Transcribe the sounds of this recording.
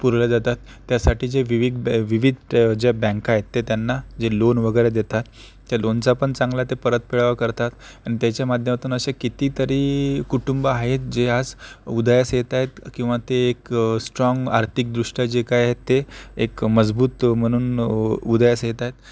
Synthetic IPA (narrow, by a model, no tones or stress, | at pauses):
puɾlad͡z̪at̪at̪ːjasaʈiːd͡ʑeʋiʋid̪bʋiʋid̪ʱd͡ʑabɛ̃ŋkaɦet̪ːet̪janːad͡zelonʋəɡəjɾed̪et̪at̪ː | jalont͡sapəɳt͡sãŋɡlat̪epəɾət̪̚piɭaʋakəɾt̪at̪aɽ̃it̪jat͡ɕjamad̪ʱjəmat̪uːnəɕekit̪iːt̪əɾiːkuʈumbəaɦet̪d͡ʑead͡zud̪jasjet̪ajet̪kĩw̃ʋat̪eːksʈɾɔŋɡaɾt̪ʰik̚d̪ɾuʂʈjad͡ʑekajɦet̪ːeekməd͡zbuːt̪m̤əɽ̃uːnud̪jasjet̪ajt̪